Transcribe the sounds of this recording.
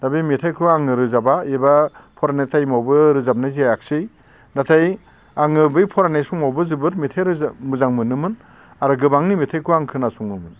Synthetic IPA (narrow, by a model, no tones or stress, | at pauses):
d̥abimitʰajkʰuaŋɯɾɯzabaebapʰɔɾanatʰajmawbɯɾɯzap̚najziajak̚sɯj | natʰaj | aŋɯbɯjpʰɔɾanajsuŋmawbɯzɯbɯtmitʰajɾɯmuzaŋmɯnɯmɯn | aɾɯɡɯbaŋnimitʰajkʰuaŋkʰɯnasuŋɯmɯn